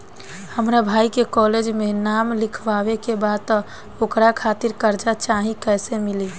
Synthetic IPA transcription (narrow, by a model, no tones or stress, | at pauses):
həmɾabʱaːikekɔled͡ʒmenamlɪkʰʋawekebad̪̚t̪ɔ | okɾakʰat̪iɾkəɾd͡ʒat͡ʃaɦĩkəːsemile